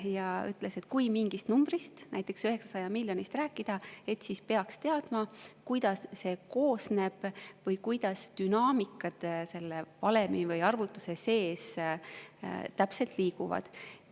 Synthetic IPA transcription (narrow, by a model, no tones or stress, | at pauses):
jɑy̰t̪ˑle̞se̞t̪kujmiŋɡ̥ist̪numb̥rist̪næjt̪ːˑe̞ksyhe̞ksɑsɑjɑmilʲjo̞nist̪ræːkːˑid̪̥ɑe̞t̪sispeɑkst̪e̞ɑd̪̥mɑkujd̪̥ɑsːe̞ko̞ːsne̞b̥vɤjkujd̪̥ɑsd̪̥ynɑːmikːˑɑd̪̥se̞lːevɑlemivɤjɑrvut̪ːˑu̥se̞se̞ːs | t̪æpse̞lt̪liːɡuvɑ̰d̪̥